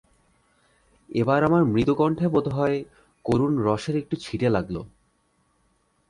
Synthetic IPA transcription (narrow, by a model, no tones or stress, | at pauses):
ebaɾamaɾmɾit̪okɔɳʈʰebod̪ʱeɦɔe | koɾunɾɔʃeɾek̚ʈut͡ɕʰiʈelaɡlo̰